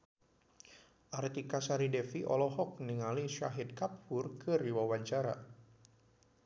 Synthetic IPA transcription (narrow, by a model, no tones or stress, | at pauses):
ʔart̪ikasaɾidɛfiʔɔ̰lɔɦɔk̚niŋaliʃa̰ɦit̪̚kapːʊrkɨriwawaɲt͡ʃaɾa̰